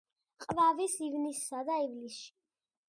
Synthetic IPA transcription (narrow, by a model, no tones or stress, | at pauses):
qʼvavisivnisːad̪aivlisʃi̥